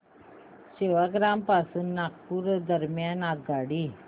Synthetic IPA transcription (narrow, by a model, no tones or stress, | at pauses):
ɕeʋaɡɾampasuːnːak̚puɾd̪əɾmjanat̪̚ɡaɽi